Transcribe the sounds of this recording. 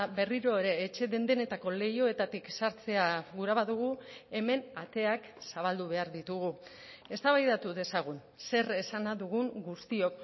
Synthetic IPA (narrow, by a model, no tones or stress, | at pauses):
βe̞riɾo̞eɾe̞ːt͡ʃe̞ðe̞nd̪e̞ne̞t̪ako̞le̞jo̞e̞t̪at̪iksaɾt͡se̞aɣuɾaβaðuɣ̞ue̞me̞nat̪e̞aksaβ̞ald̪uβ̞e̞aɾðit̪uɣu | e̞st̪aβajðat̪uðe̞saɣ̞un | se̞re̞sanaðuɣ̞uŋɡust̪io̞k